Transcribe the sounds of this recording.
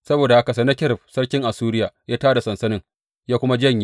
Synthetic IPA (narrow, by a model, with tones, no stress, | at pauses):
sɐ˦boː˨da˨ʔa˦ka˨sɐ˦na˦kʲɪ˦ɾɪ˨ɸsɐ˦rkʲɪ˦ŋʔa˨suː˦ɾɪ˦jaː˨jaː˦taː˦da˨sɐ˨nsɐ˦nɪ˦ŋ | jaː˦kʷʊ˦ma˦d͡ʒɐ˦ɲj